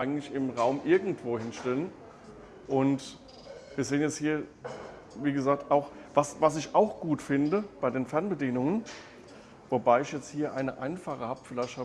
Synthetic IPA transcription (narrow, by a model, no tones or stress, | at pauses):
ʔaɪɡŋ̩tlɪçɪmʁaʊmʔɪɐɡŋ̩tv̥oːhɪnʃtɛlən | ʔʊnt | viːɐzeːənjɛt͡shiːɐ | viːɡəzaːk̚taʊxvasvasɪçaʊxɡ̥uːtfɪndəb̥aɪdeːnfɛɐnbədiːnʊŋən | vobaɪɪçjɛt͡sthiːɐʔa̰ɪnəʔa̰ɪnfaːʁəhaːbəfɪlaɪçthaː